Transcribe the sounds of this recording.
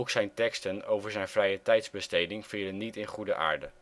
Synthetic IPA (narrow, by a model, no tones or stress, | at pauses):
ksɛjntɛkstənowvəɹzɛjnvrɛjətɛjtzbəstejdɪŋfiːlənːitɪnχudəʔa̰ːɹdə